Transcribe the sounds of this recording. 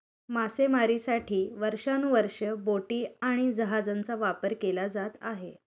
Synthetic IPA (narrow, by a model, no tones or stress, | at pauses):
masemaɾisaʈʰiːʋəɾʂanuʋəɾʂəboʈiːaɽ̃id͡zəɦad͡zant͡saʋapəɾkelad͡zat̪aɦe